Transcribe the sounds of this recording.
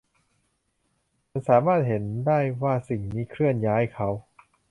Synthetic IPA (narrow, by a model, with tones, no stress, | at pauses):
ma˧˥nsaː˩˦maː˥˩t̪̚he˩˦ndaː˥˩jwaː˥˩si˨˩ŋmiː˦˥˩kʰɾɯ˥˩ənjaː˦˥jkʰa˦˥w